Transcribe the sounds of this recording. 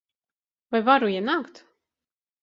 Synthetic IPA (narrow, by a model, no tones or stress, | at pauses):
vajvaɾujɛnakt̪